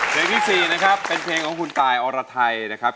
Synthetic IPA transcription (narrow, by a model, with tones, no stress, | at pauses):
dɯ˧˦ŋt̪ʰiː˥˩siː˨˩na˦˥kʰɾa˦˥pːe˧npʰeː˧ŋkʰɔː˩˦ŋkʰu˧nt̪aː˨˩jʔɔː˧ɾaː˧t̪ʰa˧jna˦˥kʰɾa˦˥p̚